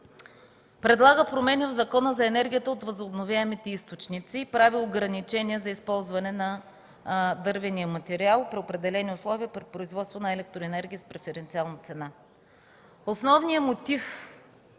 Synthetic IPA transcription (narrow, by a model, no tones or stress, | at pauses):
pɾɛd̪lˠaɡəpɾomɛnivzɐkɔnəzɐɛnɛɾɡʲijət̪əot̪vɐzʊbnovʲjaɛmit̪ɛist̪ot͡ʃnit̪siːpɾavioɡɾɐnit͡ʃɛniɛzɐispɔlˠzvɐnɛnɐ | d̪ɤɾvɛniəmɐt̪ɛɾialˠpɾiopɾɛd̪ɛlɛniʊslˠɔviəpɾipɾoizvɔt̪st̪vonɐɛlɛk̚t̪ɾoɛnɛɾɡʲiːspɾɛfɛɾɛnt̪sialˠnɐt̪sɛna | osnɔvnijəmot̪if